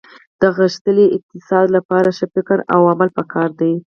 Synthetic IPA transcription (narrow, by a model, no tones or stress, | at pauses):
d̪̥əɣəʃt̪əliʔɪq̚t̪ɪsɑd̪lapɑɾaʃəfɪkəɾa̰wamalpəkɑɾd̪aj